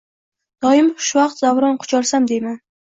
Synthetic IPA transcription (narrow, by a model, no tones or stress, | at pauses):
d̪̥ɒɪmʊʃvɑq̚t̪zavɾɒnqʰʊ̥t͡ʃʰɒlsamd̪ejman